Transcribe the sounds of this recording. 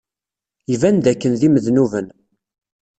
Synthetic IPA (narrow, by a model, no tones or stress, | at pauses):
ivænd̪ækːənðiməðnuvən